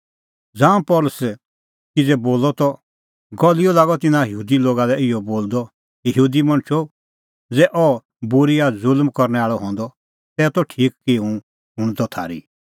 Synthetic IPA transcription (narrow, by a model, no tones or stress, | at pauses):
d͡zãːũpɔlʊsɛ | kid͡zɛboːlɔt̪ɔ | ɡɔlijɔlaːɡɔt̪ɪnãjɦuːd̪iloːɡalɛɪjɔboːld̪ɔ | əɦuːd̪imɐ̃ɽ̃t͡ʃʰɔ | d͡zɛʔɔ | buɾiazʊlmkɔɾnɛaːɭɔɦɔ̃nd̪ɔ | t̪ɛːt̪ɔʈʰiːkkiũ | ɦʊ̃ɽ̃d̪ɔt̪ʰa̰ːɾḭ